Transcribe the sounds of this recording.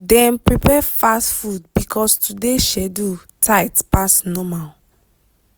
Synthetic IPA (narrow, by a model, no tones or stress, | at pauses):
dɛ̃mpɹipɛfastfud̚bikʰɔstudeʃɛdu | tʰajtpasnɔmal